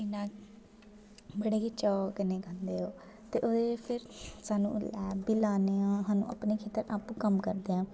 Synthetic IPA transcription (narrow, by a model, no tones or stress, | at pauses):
ɪnãː | bəɽeːɦit͡ʃɔːknẽːkãnd̪eːɦoː | t̪eːʔoepʰɪɾsaːnṵ̃ːlɛːbiːlaːneːãːɦaːnṵ̃ːʔə̰pneːkʰeːt̪əɾapːkəmkəɾd̪eːãː